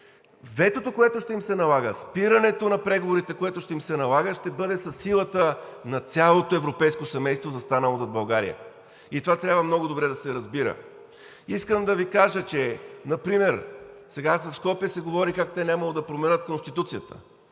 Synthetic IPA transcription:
vɛt̪ot̪okoɛt̪oʃt̪ɛimsɛnɐlˠaɡəspiɾɐnɛt̪onɐpɾɛɡovoɾit̪ɛkoɛt̪ʊʃt̪ɛimsɛnɐlˠaɡəʃt̪ɛbɤd̪ɛsɐsːilˠət̪ə | nɐt̪sʲjalˠot̪oɛvɾopɛjskosɛmɛjst̪vozɐst̪anəlˠozɐd̪bɐlˠɡaɾḭjə̰ | it̪ovat̪ɾʲabvəmnɔɡʊd̪obɾɛd̪ɐsɛɾɐzbiɾə̰ | iskəmd̪ɐvikaʒət͡ʃɛnɐpɾimɛɾsɛɡaasvɐfskɔpijəsɛɡovɔɾikakt̪ɛnʲaməlˠod̪ɐpɾomɛnət̪konst̪it̪ut̪sijət̪ə̥̰

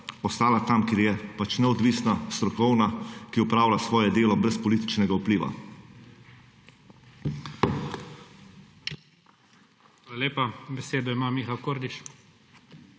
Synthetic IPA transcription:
ɔst̪aːlat̪amkeɾjɛpat͡ʃnɛɔd̪ʋiːsnast̪ɾɔkɔwnakiɔpɾaːwlʲasʋɔːjɛd̪eːlɔbɾɛspɔliːt̪i̥t͡ʃnɛɡaupliːʋa̰ | xʋalalʲeːpabɛseːd̪ɔimamixalkoɾd̪iʃ

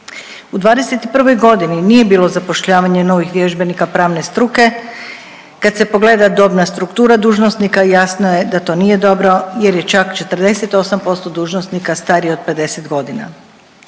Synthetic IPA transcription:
ud̪ʋaːd̪ese̞t̪ipr̩ʋo̞jɡo̞d̪ininije̞biːlo̞zapo̞ʃʎaːʋaɲe̞no̞ʋixʋje̞ʒbe̞nikapɾaːʋne̞st̪ɾuke̞ | kad̪se̞po̞ɡle̞ːd̪ad̪o̞bnast̪ɾukt̪uːɾad̪uːʒnosnikajasnoje̞d̪at̪o̞ːnije̞d̪o̞bɾo̞je̞ɾjet͡ʃakt͡ʃe̞t̪r̩d̪e̞set̪o̞sampo̞st̪od̪uːʒnosnikast̪aːɾiod̪̚pe̞d̪e̞set̪ɡo̞d̪ina̰

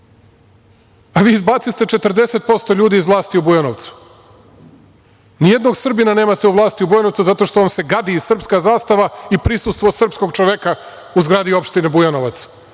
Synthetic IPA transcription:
aʋiːzbaːt̪sist̪e̞t͡ʃe̞t̪r̩d̪e̞se̞t̪̚po̞st̪o̞ʎuːd̪iːzʋlˠaːst̪iubujanoʋt̪su̥ | nijed̪no̞ɡsr̩binane̞ːmat̪euʋlˠaːst̪iubujanot̪suzat̪o̞ʃt̪o̞ʋamse̞ɡad̪iːzsr̩pskazaːst̪aʋaipɾisust̪ʋo̞sr̩psko̞ɡt͡ʃoʋeka | uzɡɾaːd̪io̞pʃt̪inebujanoʋat̪s

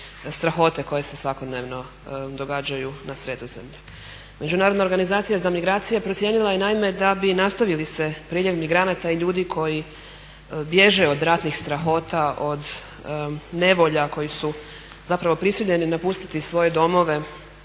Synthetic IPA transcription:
st̪ɾaxo̞t̪e̞ko̞je̞se̞sʋako̞d̪neʋno̞ | d̪o̞ɡaːd͡ʑajunasɾe̞d̪ozemʎu | me̞d͡ʑunaːɾod̪naoɾɡanizaːt̪sijazamiɡɾaːt̪sijepɾot̪sʲje̞ːnilˠajenaime̞d̪abinast̪aʋilise̞pɾiːʎeʋmiɡɾanat̪aiʎuːd̪ikʰo̞ji | bje̞ʒe̞o̞d̪ɾat̪nixst̪ɾaxo̞ːt̪aʔo̞d̪ | ne̞ʋo̞ʎako̞jisu | zapɾaʋo̞pɾisiʎe̞ninapust̪i̥t̪isʋo̞je̞d̪o̞mo̞ʋe̞

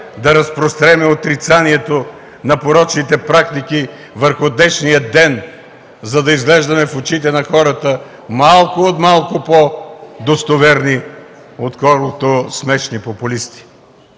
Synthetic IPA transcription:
d̪ɐɾɐspɾost̪ɾɛmɛot̪ɾit̪saniɛt̪o | nɐpoɾɔt͡ʃnit̪ɛpɾakt̪iki | vəɾxʊd̪ɛʃnijəd̪ɛn | zɐd̪ɐizɡlɛʒd̪ɐmɛfʊt͡ʃit̪ɛnɐxɔɾɐt̪ə | malˠkʊot̪malˠkʊpod̪ost̪ovɛɾni | ot̪kɔɾlˠot̪osmɛʃnipopʊlist̪i̥

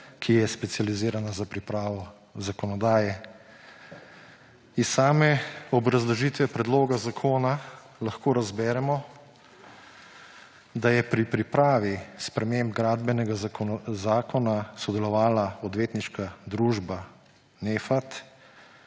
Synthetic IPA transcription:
kʰijɛspɛt̪sijaliziːɾanazapɾipɾaːʋɔ | zakɔnɔd̪aːjɛ | isaːmɛɔbɾazlɔʒiːt̪ʋɛpɾɛd̪loːɡazakʰoːna | lɐxkoːɾazbɛːɾɛmɔ | d̪ajɛpɾipɾipɾaːʋispɾɛmeːmb̚ɡɾaːd̪bɛnɛɡazaːkɔnasɔd̪ɛlɔʋaːlaɔd̪ʋeːt̪niʃkad̪ɾuːʒba | neːfat̪

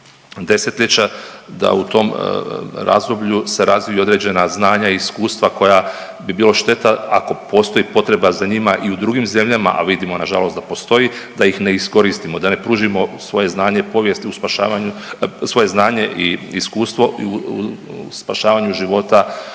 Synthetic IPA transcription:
d̪e̞se̞t̪ʎet͡ɕad̪a̰ut̪o̞m | ɾa̰zd̪o̞bʎuse̞ɾazʋiio̞d̪ɾe̞d͡ʑe̞naznaːɲaiiskuːst̪ʋako̞ja | bibiːloʃt̪e̞t̪aako̞po̞ːst̪o̞jipo̞t̪ɾe̞bazaɲimaʔiud̪ɾuɡimze̞mʎama̰ʔa̰ʋid̪imo̞naʒalo̞sd̪apo̞st̪o̞jid̪ajixne̞isko̞ɾist̪imo̞d̪ane̞pɾuːʒimo̞sʋo̞je̞znaːɲe̞po̞ʋjest̪iuspaʃaːʋaɲusʋo̞je̞znaːɲe̞ʔiiskuːst̪ʋo̞uuspaʃaːʋaɲuʒiʋo̞t̪a

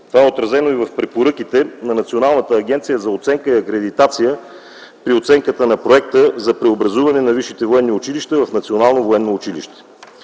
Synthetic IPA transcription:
t̪ovaɛot̪ɾɐzɛnoivɐfpɾɛpoɾɤk̟it̪ɛnɐnɐt̪sionalˠnət̪əːɡ̟ɛnt̪sijəzɐot̪sɛŋkəiɐkɾɛd̪it̪at̪sijə | pɾiot̪sɛŋkət̪ənɐpɾoɛk̚t̪əzɐpɾɛobɾɐzuvɐnɛnɐviʃit̪ɛvoɛnːiʊt͡ʃiliʃt̪əvɐfnɐt̪sionalˠnovoɛnːoːt͡ʃilḭʃt̪ɛ̥

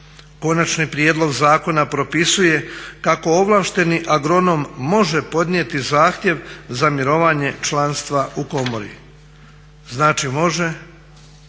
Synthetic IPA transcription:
ko̞nat͡ʃnipɾjeːd̪lˠo̞ɡzaːko̞napɾo̞pisuje̞kako̞oʋlˠaːʃt̪e̞niʔaɡɾo̞no̞mːo̞ʒe̞po̞d̪niet̪izaːxt̪ʲje̞ʋzamiɾo̞ʋaɲe̞t͡ʃlanst̪ʋaʔuko̞mo̞ɾḭ | znaːt͡ʃimo̞ʒe̞

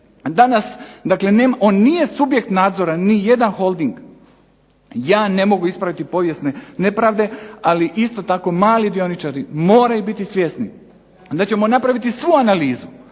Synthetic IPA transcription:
d̪anasd̪akle̞neːmao̞ːnːije̞subje̞k̚t̪naːd̪zo̞ɾanije̞d̪anxo̞lˠd̪iŋɡ | jaːne̞mo̞ɡuispɾaʋit̪ipo̞ʋje̞sne̞ne̞pɾaːʋd̪e̞aliʔist̪o̞t̪ako̞maːlid̪io̞nit͡ʃaɾimo̞ːɾajubit̪isʋje̞sni | d̪at͡ɕe̞mo̞napɾaʋit̪isʋuanaliːzu

